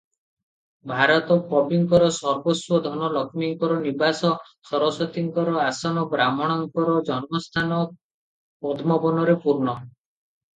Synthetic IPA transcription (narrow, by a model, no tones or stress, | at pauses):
bʱaɾɔt̪ɔpɔbiŋkɔɾɔsɔɾbɔswɔd̪ʱɔnɔlɔkʰmiŋkɔɾɔnibasɔ | sɔɾɔsɔt̪iŋkɔɾɔasɔnɔbɾamɔɽ̃ɔŋkɔɾɔd͡ʒɔnmɔst̪ʰanɔ | pɔd̪ʱmɔbɔnɔɾepuɾnɔ